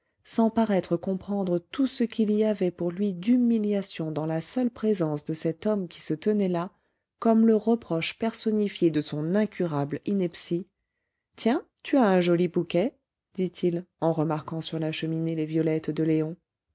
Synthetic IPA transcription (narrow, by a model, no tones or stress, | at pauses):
sɑ̃paʁɛt̪χəkɔ̃pχɑ̃d̪ʁət̪usəkʲiliavɛpuʁlɥid̪ymiljasjɔ̃d̪ɑ̃lasœlpχezɑ̃sd̪əsɛt̪ɔmkʲi̥sət̪ənɛla | kɔmləʁəpχɔʃpɛʁsɔnifjed̪əsɔ̃nɛ̃kʲʰyʁablinɛpsi | t̪jɛ̃t̪yaɛ̃ʒɔlibukʲɛ | d̪it̪ʰilɑ̃ʁəmaʁkɑ̃syʁlaʃəminelevjɔlɛt̪d̪əleɔ̃